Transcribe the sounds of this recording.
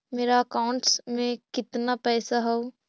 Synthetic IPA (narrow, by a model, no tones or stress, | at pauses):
meːɾaɐkaʊ̃ɳʈsmẽkɪt̪napɛːsaɦɛo